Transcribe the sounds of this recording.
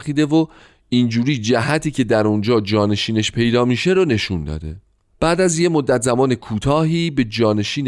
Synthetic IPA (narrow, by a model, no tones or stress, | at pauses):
xiːd̪e̞vo | ind͡ʒuːɾiːd͡ʒæɦæt̪ʰiːcʰe̞d̪æɾond͡ʒɒːd͡ʒɒːne̞ʃiːne̞ʃpʰe̞jd̪ɒːmiːʃe̞ɾone̞ʃund̪ɒ̰ːd̪e̞̰ | b̥æːʔd̪æzjemod̪ːæt̪ʰzæmɒːne̞kʰuːt̪ʰɒːɦiːbe̞d͡ʒɒːne̞ʃiːn